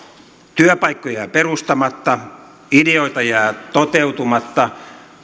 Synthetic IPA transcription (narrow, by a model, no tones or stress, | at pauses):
t̪yøpɑikːojɑperust̪ɑmɑt̪ːɑ | ideoit̪ɑjɑt̪ot̪ewt̪umɑt̪ːɑ